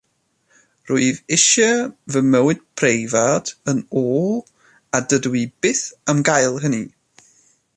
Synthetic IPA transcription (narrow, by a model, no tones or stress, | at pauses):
rʊɨðɪʃəvəməwɨd̥̚pʰrejvad̥ənoːlˠ | adədwib̥ɪθəmɡajlˠɦəni